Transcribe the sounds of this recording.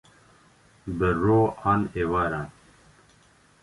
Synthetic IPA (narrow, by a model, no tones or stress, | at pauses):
bəɾoːaːnewaɾan